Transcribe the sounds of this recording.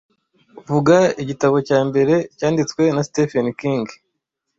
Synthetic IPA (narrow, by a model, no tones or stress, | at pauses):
uvuɡaiɟitaβo̞caːmbe̞ɾe̞caːndit͡swe̞nastefenikiŋɡ